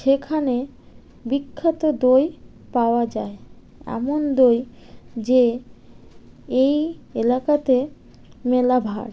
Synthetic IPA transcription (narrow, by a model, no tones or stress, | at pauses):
ʃekʰane | bikʰːat̪od̪oj | paoad͡ʑae | ɛ̰mond̪oj | d͡ʑe | ejelakat̪e | melabʱa̰ɽ